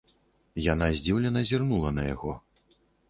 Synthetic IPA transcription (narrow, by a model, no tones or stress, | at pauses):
janazʲd͡zʲiwlʲɛnɐzʲirnulˠɐnɐja̰ɣɔ